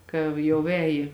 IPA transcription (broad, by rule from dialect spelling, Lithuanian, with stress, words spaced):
ˈkɐw jɛʊ ˈɛːjɪ